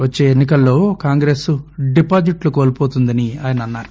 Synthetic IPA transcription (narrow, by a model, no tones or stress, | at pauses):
ʋɐt͡ʃːe̞ːenːikɐlːo̞ːkaːŋɡɾesuɖipaːd͡ʒiʈluko̞ːlpo̞ːt̪und̪ɐniaːjɐnɐɐnːaːɾu